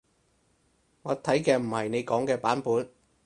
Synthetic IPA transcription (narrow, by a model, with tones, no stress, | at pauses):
ŋɔː˨˧t̪ʰɐ˨˥jkɛː˧m̩˨˩hɐ˨˩jne˨˧jkɔː˨˥ŋkɛː˧paː˨˥npuː˨˥n